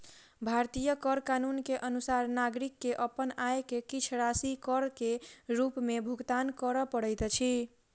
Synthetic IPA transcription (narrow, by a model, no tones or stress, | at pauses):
bʱaɾt̪ijəkəɾkanunkeʔənusaɾnaɡɾikːeʔəpənajkekit͡ʃʰɾasikəɾkeɾupmebʱuɡt̪ankəɾəpəɽəjt̪t͡ʃʰi